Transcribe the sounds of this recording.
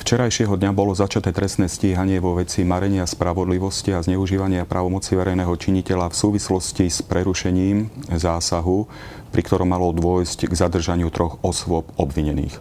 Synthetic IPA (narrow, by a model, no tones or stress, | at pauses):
ft͡ʃɛɾajʃɪɛɦɔd̪ɲabɔlɔzat͡ʃat̪ɛːt̪ɾɛst̪nɛːsciːɦaɲɪɛʋɔʋɛt͡simaɾɛɲɪaspɾaʋɔd̪liʋɔsciazɲɛuʒiːʋaɲɪapɾʔaːʋɔmɔt͡siʋɛɾɛjnɛːɦɔt͡ʃiɲicɛʎafsuːʋislɔscispɾɛɾuʃɛɲiːmzaːsaɦu | pɾikt̪ɔɾɔmːalɔd̪ʊɔjscɡzad̪r̩ʒaɲɪut̪ɾɔɣɔsʋʊɔpɔbʋiɲɛnḭːx